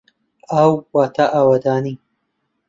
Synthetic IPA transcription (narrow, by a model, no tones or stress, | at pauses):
ɐwwaːt̪ʰaʔaːwad̪aːniː